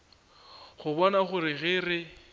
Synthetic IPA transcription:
χʊbɔnaχʊɾɪɣɪːrɪ

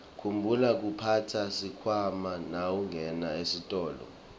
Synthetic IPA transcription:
kʰumbʱulak̬upʰatʰasikʰwamanawuŋʱɛnaesitʼɔːlɔ̰

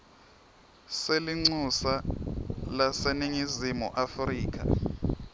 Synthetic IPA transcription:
seliŋ͡ǀusa | laseniŋizimuʔafriːk̬a̰

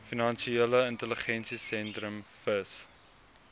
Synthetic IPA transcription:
finɑnʃieːləəntələχɛnsisɛntɾəmfəs

